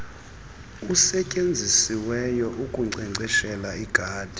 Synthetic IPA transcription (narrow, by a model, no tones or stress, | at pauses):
usɛcʼend͡zʱisiwɛjɔʔukʼuŋ͡ǀɛŋ͡ǀɛʃɛlaiɡ̥ʱaːd̥ʱi